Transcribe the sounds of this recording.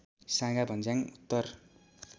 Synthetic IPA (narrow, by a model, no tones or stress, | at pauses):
sãŋɡabʱʌnd͡zaŋut̪ːʌr